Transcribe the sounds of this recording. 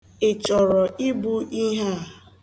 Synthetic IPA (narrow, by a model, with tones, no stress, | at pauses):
ɪ˨t͡ʃɔ˨ɾɔ˨ʔi˦bu˦ʔi˦ɦa˦˨